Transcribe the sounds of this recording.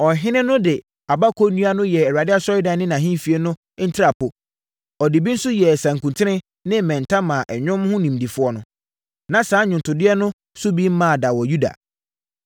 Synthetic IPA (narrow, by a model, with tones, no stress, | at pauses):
ɔ˨ɦɪ̃˦nɪ̃˦nʊ̃˦dɪ˨ | a˨ba˦kʰo˦nũ˦a˦nʊ̃˦jɛ˨ɛ˨a˨dɪ˦a˦sɔ˦ɪ˦dã˨˦nɪ̃˦nã˨ɦĩ˦˨fi˨e˦nʊ̃˦n̩˦tʰɪ˦ɾa˨pʰʊ˨ | ɔ˨di˨bi˦n̩˦sʊ˦jɛ˨sã˨ŋkũ˨ntʰɪ˦nɪ̃˦ | nɪ̃˦mɛ̃˨n˨tʰã˦mã˨ʔɛ˨ɲᶣʊ̃˦mhʊ̃˦nĩ˨m˨di˨fʊ˦ɔ˦nʊ̃˦ | nã˨sãː˨˦ɲᶣʊ̃˨ntʰʊ˨dɪ˦ɛ˦nʊ̃˦ | sʊ˦bi˦m̩˦mã˦˨da˨wɔ˨ju˦da̰˨